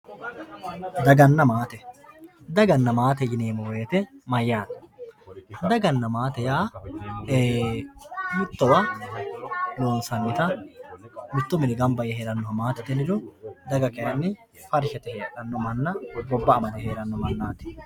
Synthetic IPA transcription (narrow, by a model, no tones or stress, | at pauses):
d̪ɐɡɐnːɐmaːt̪ɛ | d̪ɐɡɐnːɐmaːt̪ɛjɪneːmɔweːt̪ɛmɐjːaːn | ɐd̪ɐɡɐnːɐmaːt̪ɛjaː | mɪt̪ːɔwɐ | loːnsɐnːɪt̪ɐ | mɪt̪ːʊmɪnɪɡɐmbɐjɛheːɾɐnːɔɐmaːt̪ɛt̪ɛnɪɾʊd̪ɐɡɐkɛjɐnːɪ | fɐɾʃɛt̪ɛheːᶑɐnːɔmɐnːɐɡɔbːɐːmɐd̪ɛheːɾɐnːɔmɐnːaːt̪ɛ̥